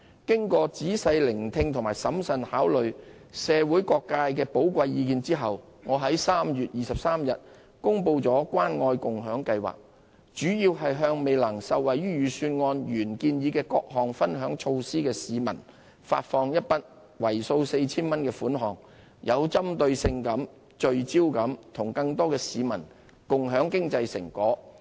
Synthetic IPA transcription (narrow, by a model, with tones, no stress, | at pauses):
kɪ˥ŋkɔː˧t͡siː˨˥sɐ˧jlɪ˨˩ŋt̪ʰɪ˧ŋt̪ʰʊ˨˩ŋmaː˨˩jsɐ˨˥msɐ˨˧nhaː˨˥wlɵ˨ɥ | sɛː˨˧wuː˨˥jkɔː˧kːaː˧jkɛː˧po˨˥wkʷɐ˧jjiː˧kiː˧nt͡siː˥ɦɐ˨w | ŋɔː˨˧ɦɐ˨˥jsaː˥mjyː˨t̚jiː˨˩sɐ˨p̚saː˥mjɐ˨t̚ | kʊ˥ŋpo˧wt͡sɔː˨˥kʷwaː˥nŋɔː˧jkʊ˨ŋɦœː˨˥ŋkɐ˧jwa̰ː˨k̚ | t͡ʃyː˨˥jiː˧wɦɐ˨jɦœː˧ŋme˨˧jlɐ˨˩ŋsɐ˨wwɐ˨jɥyː˥jyː˨˧syː˧nŋɔː˧nɥyː˨˩nkiː˧njiː˨˧kɛː˧kɔ̰ː˧k̚ɦɔː˨ŋfɐ˥nɦœː˨˥ŋt͡ʃʰo˧wsiː˥kɛː˧siː˨mɐ̰˨˩n | fa̰ː˧t̚fɔː˧ŋjɐ˥t̚pɐ˥t̚ | wɐ˨˩jso˧wse˧jt͡sʰiː˥nmɐ˥nkɛː˧fuː˨˥nɦɔː˨˩ŋ | jʔɐ˨˧wt͡sɐ˥mt̪ɵ˧ɥsɪ˧ŋkɐ˨˥m | t͡ʃɵ˨ɥt͡siː˥wkɐ˨˥mt̪ʰʊ˨˩ŋkɐ˧ŋt̪ɔː˥kɛː˧siː˨˧mɐ˨˩n | kʊ˨ŋɦœː˨˥ŋkɪ˥ŋt͡sɐ˧jsɪ̰˨˩ŋkɔː˨˥